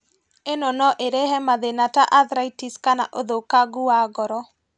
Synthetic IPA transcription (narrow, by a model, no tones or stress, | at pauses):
enɔnɔʔeɾeɦɛmaðenataʔaðɾaitiskana̰ʔoðokaɡuaɡɔɾɔ